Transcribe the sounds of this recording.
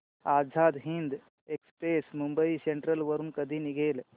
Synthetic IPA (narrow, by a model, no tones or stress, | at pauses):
ad͡zʱad̪ɦind̪ | ekspesmumbəiseɳʈɾəlʋəɾuːnkəd̪ʱiːniɡeːl